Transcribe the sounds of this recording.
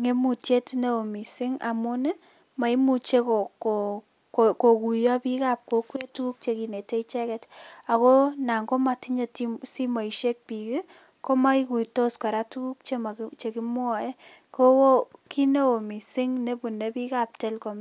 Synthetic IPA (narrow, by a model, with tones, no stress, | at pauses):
ŋe˦mu˨tje˦tne˦o˨mi˨sɪ˦ŋa̰˨mʊ˦ne˦ | ma˨i˦mu˨t͡ʃe˦ko˨ko | kko˨ku˨jɔ˦pi˦ka˦p̚ko˦kwe˦tu˦ku˦k̚t͡ʃe˨ki˨ne˨te˦it͡ʃɛ˦kɛta˨ko˦na˨ŋɡo˦mati˦ɲetsi˦ma˨i˨ʃje˦k̚pi˨ke˦ | ko˦ma˦iku˨to˦ska˨ɾa˦tu˦ku˦k̚t͡ʃe˦ma˨t͡ʃe˨ki˦m˦ɔ˨e˦ko˦wo˦ki˦ne˦o˨mi˨sɪ˦ŋne˦bu˨ne˦pi˦ka˦p̚tɛ˦lko˨m